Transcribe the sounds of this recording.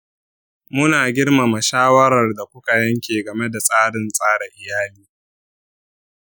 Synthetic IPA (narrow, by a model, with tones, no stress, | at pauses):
mʊ˦naː˨ɡʲɪ˦rma˨ma˨ʃaː˦wɐ˦ɾɐ˨rda˨kʷʊ˦ka˨jɐ˦ŋkʲeː˨ɡɐ˨me˦da˨sʼaː˦ɽɪ˨nsʼaː˦ɽɛ˨ʔɪ˨jaː˦liː˦